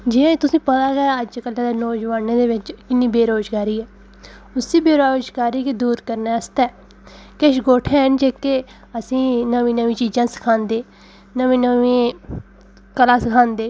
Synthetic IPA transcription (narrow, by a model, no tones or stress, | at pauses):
d͡ʒiːãːt̪ʊsĩːpət̪aːɡɛːəd͡ʒkəlːd̪eːnoːd͡ʒʋaːneːd̪eːʋɪt͡ʃkɪnːiːbeːɾoːd͡ʒɡaːɾiːɛː | ʊsiːbeːɾoːd͡ʒɡaːɾiːkid̪uːɾkəɾnɛːəst̪ɛː | keʃɡoːʈʰɛːnd͡ʒeːke | əsĩːnəʋĩːnəʋĩːt͡ʃiːd͡ʒãːsə̥kʰaːnd̪eː | nəʋĩːnəʋĩː | kəlaːsəkʰãːnd̪eː